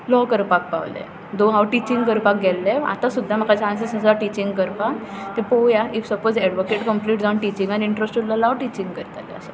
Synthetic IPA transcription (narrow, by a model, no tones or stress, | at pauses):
lɔkəɾpak̚pa̰ʋlḛ | d̪õɦaʋʈit͡ɕiŋɡkəɾpak̚ɡʱɛlːɛa̰t̪ãsud̪ʱːam̤əkat͡ɕãns̬isəsaʈit͡ɕiŋɡkəɾpat̪epoʋjaifsəpod͡zɛɖʋokeʈkəmpliʈd͡zɔ̃ɳʈit͡ɕĩŋɡaniiɳʈɾəsʈulɔlaʋʈit͡ɕĩŋɡkəɾt̪alɛ̰ə̰sə